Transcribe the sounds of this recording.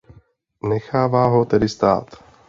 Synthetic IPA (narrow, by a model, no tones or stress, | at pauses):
nɛxaːvaːɦot̪ɛdɪst̪a̰ːt̪